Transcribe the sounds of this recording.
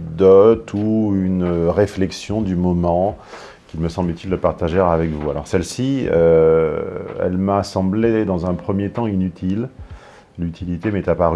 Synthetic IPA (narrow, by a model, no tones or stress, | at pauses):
d̪ɔt̪ʰuynʁeflɛksjɔ̃d̪ymɔmɑ̃ | kʲilməsɑ̃blyt̪ild̪əpaʁt̪aʒɛʁavɛkvualɔ̰ʁsɛlsiø | ɛ̰lmasɑ̃bled̪ɑ̃zɛ̃pχəmjet̪ɑ̃inyt̪ʰil | lyt̪ʰilit̪emɛt̪apaʁy